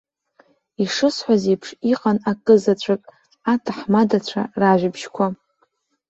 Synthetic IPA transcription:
iʂɨsħʷazejpʰʂiqʼanakʼɨzat͡ɕʷʰakʼ | atʰaħmadat͡ɕʷʰa̰raʒʷᶣɪbʒkʷʰa

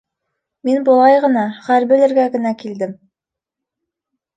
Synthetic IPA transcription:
minbulˠɑjʁɤ̆nɑχæɾbɘ̆lɘ̆ɾɡæɡɘ̆nækild̪ɘm

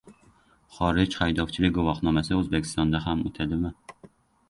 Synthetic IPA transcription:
χɒɾɪd͡ʒχajd̪ɒft͡ʃʰɪlɪɡovɒχnɒmasɪøzbekʲʰi̥st̪ɒnd̪aɦamʊ̰t̪ʰad̪ɪma

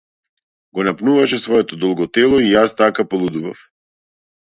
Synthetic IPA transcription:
ɡɔnapnuvaʃɛsvɔɛt̪ɔd̪ɔlˠɡɔt̪ɛlˠɔijast̪akapɔlˠud̪uva̰f

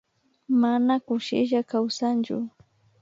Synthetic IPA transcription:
manakʊʃɪ̰ʒakawsant͡ʃʊ̰

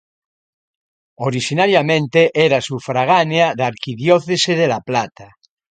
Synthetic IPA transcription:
oɾiʃinaɾjamẽnt̪eʔeɾasufɾaɣ̞aneaðaɾkiðjoθeseðelaplat̪a

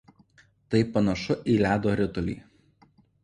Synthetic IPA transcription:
t̪ɐɪpɐnɐʃʊʔiːlʲæːd̪oːɾʲɪt̪ʊlʲḭː

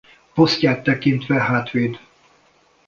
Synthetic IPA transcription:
posc̪aːt̪ːɛkint̪ʋɛɦaːt̪ʋeːd̪

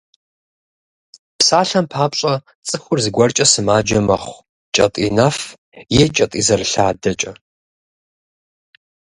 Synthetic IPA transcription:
psaːɬɐmpʰaːpɕʼɐ | t͡sʼɨxʷʊrzɨɡʷɐrt͡ʃʼɐsɨmaːd͡ʒɐmɐχʷ | t͡ʃʼɐ̰tʼḭːnɐf | jeːt͡ʃʼɐtʼḭːzɐrɨɬaːdɐt͡ʃʼɐ

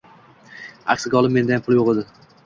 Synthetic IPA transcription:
a̰kʲsɪɡʲaɒlˠɪme̞nd̪ajampʰʊlˠjoʁed̪ɪ

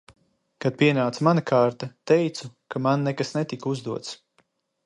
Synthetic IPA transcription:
kad̪̚piɛnaːt̪smanakʰaːɾt̪at̪ɛjt̪sukamanːɛkasnɛt̪ikuzd̪uɔt̪s

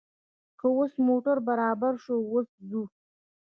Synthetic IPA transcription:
kəwosmoʈaɾbaɾɑbaɾʃowoszu

